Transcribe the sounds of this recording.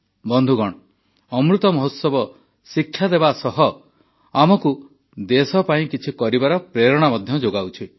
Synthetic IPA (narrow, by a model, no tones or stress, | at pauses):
bɔnd̪ʱuɡɔɽ̃ɔ | ɔmɾut̪ɔmɔɦot̪sɔbɔ | sikʰːjad̪ebasɔɦɔ | amɔku | d̪esɔpaĩkit͡ʃʰikɔɾibaɾɔpɾeɾɔɽ̃amɔd̪ʱjɔd͡ʒoɡawt͡ʃʰi